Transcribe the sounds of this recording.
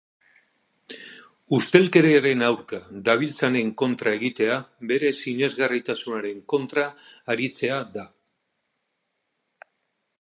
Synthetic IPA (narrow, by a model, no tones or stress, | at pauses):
ust̪e̞lke̞ɾeaɾe̞nawɾkad̪aβ̞ilt͡sane̞ŋko̞nt̪ɾae̞ɣit̪e̞aβe̞ɾe̞sine̞zɣarit̪asunaɾe̞ŋko̞nt̪ɾaːɾit͡se̞aða